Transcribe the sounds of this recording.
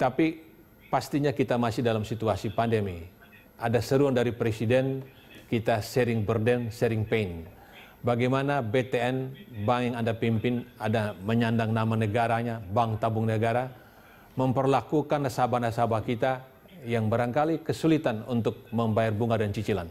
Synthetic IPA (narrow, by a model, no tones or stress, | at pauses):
t̪api | past̪iɲakit̪amasihdalamsit̪uasipandemi | ʔadasəɾuandaɾipɾesidɛn | kit̪asɛɾɪŋbərdɛnsɛɾɪŋpein | baɡajmanabet̪eɛnbaŋjaŋandapimpɪnadaməɲandaŋnamanəɡaɾaɲabaŋt̪abuŋnəɡaɾa | məmpərlakukanrasabanrasabakit̪a | jaŋbaɾankalikəsulit̪anunt̪ʊk̚məmbajarbuŋadant͡ʃit͡ʃilan